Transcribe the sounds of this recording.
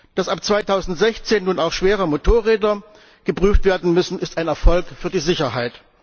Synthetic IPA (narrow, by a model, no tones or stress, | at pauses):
d̥asʔapt͡sv̥aɪtʰaʊzn̩tz̥ɛçt͡seːnːuːnaʊxʃv̥eːʁəmotʰoːɐʁɛːdɐ | ɡ̥əpʁ̥yːftv̥eːɐdn̩mʏsn̩ɪstaɪnɛɐfɔlkfyːɐdiːzɪçɐhaɪt